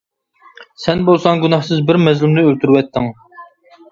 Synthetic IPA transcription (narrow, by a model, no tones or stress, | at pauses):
sɛnbolˠsɑŋɡunɑhsɪzbɪɾmɛzlɪmnɪølt̪yɾwɛt̪ʰːɪŋ